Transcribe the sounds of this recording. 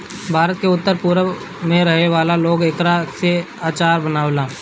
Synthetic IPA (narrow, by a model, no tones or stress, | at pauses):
bʱaːɾət̪̚keʊt̪ːəɾpuːɾə | mẽɾəɦeʋaːlaloːɡekɾase | aːt͡ʃaːɾbənaːʋlaː